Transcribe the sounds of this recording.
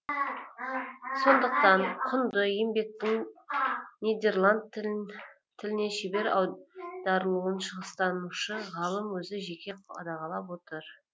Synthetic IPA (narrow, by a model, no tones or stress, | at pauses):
so̞nd̪əq̚t̪ɑɴqʰʊnd̪əjembe̞k̚t̪ɪŋ | nijd̪e̞rlˠand̪̚ | t̪ʰːɪlɪne̞ʃebe̞ɾɑd̪ɑɾəlˠuwənʃəʁəst̪ɑnuʃəʁɑlˠəmwɵzɪʒe̞kʲe̞ɑ̰d̪ɑʁɑlˠɑpwo̞t̪əɾ